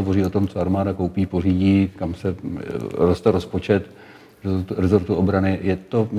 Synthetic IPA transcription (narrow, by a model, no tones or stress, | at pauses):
ovo̞riːo̞t̪o̞mt͡soaɾmaːdako̞wpiːporiːɟiːkamsɛ | ɾost̪ɛɾo̞spo̞t͡ʃɛt̪ | ɾɛzt̪uɾɛzo̞ɾt̪uobɾanɪjɛt̪o̞mɪ